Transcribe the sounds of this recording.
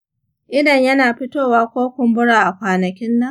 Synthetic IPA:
ʔɪ˦dɐ˨ɲjɐ˦naː˨ɸɪ˦toː˦waː˦kʷoː˦kʷʊ˨mbʊ˦ɽaː˨ʔa˨kʷaː˨nɐ˨kʲɪ˦nːa˦

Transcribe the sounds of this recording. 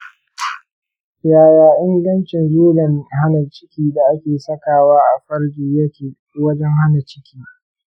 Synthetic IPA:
jaː˨jaː˨ʔɪ˦ŋɡɐ˦nt͡ʃɪ˨ŋɡeː˦lɐ˨nɦa˦na˨t͡ʃɪ̥˦kʲiː˦da˨ʔa˦kʲeː˨sɐ˦kaː˨waː˦ʔa˨ɸɐ˦ɽɡʲiː˨jɐ˦kʲe˨˦ | wɐ˦d͡ʒɛ˦ŋha˦na˨t͡ʃɪ̥˦kʲʰiː˦

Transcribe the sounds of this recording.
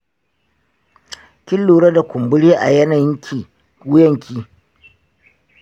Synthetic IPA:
kʲɪ˦lːuː˨ɾɐ˦da˨kʷʊ˨mbʊ˦ɽiː˦ʔa̰˨jɐ˦nɐ˨ŋkʲi˨ | ʊ˦jɐ˦ŋkʰʲiː˦

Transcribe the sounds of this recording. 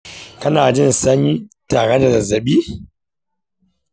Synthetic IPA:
kɐ˦naː˨d͡ʒɪ˦nsɐ˦ɲi˦taː˨ɽɐ˦da˨zɐ˨zɐ˨ɓiː˦

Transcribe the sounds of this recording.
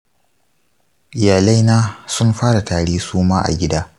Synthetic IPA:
ʔɪ˨jaː˨la˦jnaː˦sʊ˦nɸaː˦ɽa˨taː˨ɽeː˦suː˦maː˦ʔa̰˨ɡʲɪ˦daː˦

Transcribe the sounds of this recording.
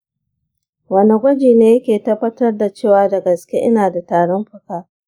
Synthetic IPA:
wɐ˦ni˨ɡʷɐ˦d͡ʒiː˨neː˦jɐ˦kʲeː˨tɐ˦bːɐ˦tɐ˦rda˨t͡ʃeː˦˨waː˨˦da˨ɡɐ˨skʲe˦ʔɪ˦naː˨da˨taː˨ɽɔ˦mɸʊ˨kaː˦

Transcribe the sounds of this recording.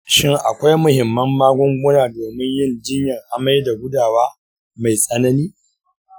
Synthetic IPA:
ʃɪ˦ŋʔa̰˨kʷa˦jmʊ˨hɪ˨mːɐ˦mːaː˦ɡʷʊ˦ŋɡʷʊ˦naː˨doː˨mɪ˦ɲjɪ˦˨nd͡ʒɪ˦ɲjɐ˨ŋʔa˨ma˦jda˨ɡʷʊ˦daː˨waː˦ | ma˨jsʼɐ˦nɐ˦niː˦

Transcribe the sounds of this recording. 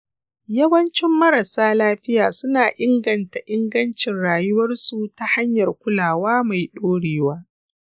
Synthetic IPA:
jɐ˦wɐ˦nt͡ʃɪ˦mːɐ˦ɾɐ˨saː˦laː˦ɸɪ˦jaː˨sʊ˦naː˨ʔɪ˦ŋɡɐ˨nta˨ʔɪ˦ŋɡɐ˦nt͡ʃɪ˨nɽaː˨jʊ˦wɐ˦rsu˨ta˦ha˦ɲjɐ˨rkʷʊ˦laː˨waː˦ma˨jɗoː˦ɽeː˨waː˦

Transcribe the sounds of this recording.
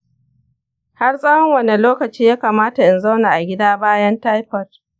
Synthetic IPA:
ha˦rsʼɐ˦wɔ˦ŋwɐ˨ne˨loː˦kɐ˨t͡ʃiː˦jaː˦kaː˨maː˦ta˨ʔɪ˨nza˦wna˨ʔa˨ɡʲɪ˦daː˦baː˦jɐ˦nta˦jɸɐ˨r

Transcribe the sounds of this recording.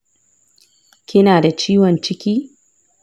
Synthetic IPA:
kʲɪ˦naː˨da˨t͡ʃiː˦wɔ˨nt͡ʃɪ˦kʲiː˦

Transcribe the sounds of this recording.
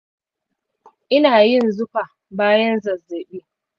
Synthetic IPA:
ʔɪ˦naː˨jɪ˦˨nzʊ˦ɸa˨ | baː˦jɐ˦nzɐ˨zːeː˨ɗiː˦

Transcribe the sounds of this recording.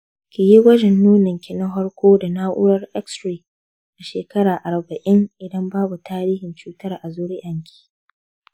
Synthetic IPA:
kʲɪ˨ji˦wɐ˦d͡ʒɛ˨nːuː˦nɪ˨ŋkʲɪ˨nɐ˦ɦɔ˦ɽkʷoː˦da˨naː˦ʔʊ̰˦ɾɐ˦rʔɛ˦kstɾiː˨ | ʔa˨ʃeː˨kɐ˦ɽaː˨ʔa˨rbɐ˨ʔɪ˦ŋʔɪ˨dɐ˦mbaː˦bu˨taː˦ɾiː˦hɪ˨nt͡ʃuː˦tɐ˦rʔa˨zoː˦ɽɪ˦jʔɐ˨ŋkʲʰi̥ː˨

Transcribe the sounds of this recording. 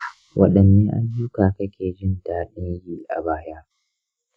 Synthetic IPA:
wʔɐ̰˨ɗɐ˨nːeː˦ʔa̰˦ɲjuː˦kaː˨kɐ˦kʲʰeː˨d͡ʒɪ˦ndaː˨ɗɪ˦ŋjiː˦ʔa̰˨baː˦jaː˦

